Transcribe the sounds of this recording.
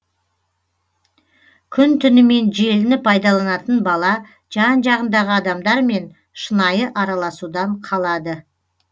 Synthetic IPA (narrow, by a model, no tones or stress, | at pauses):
kʲʰʏnt̪ʰʏnɪme̞nʒe̞lɪnɪpʰɑjd̪ɑlˠɑnɑt̪ənbɑlˠɑ | ʒɑnʒɑʁənd̪ɑʁəɑd̪ɑmd̪ɑɾme̞n | ʃənɑjəʔɑɾɑlˠɑsud̪ɑɴqʰɑlˠɑd̪ə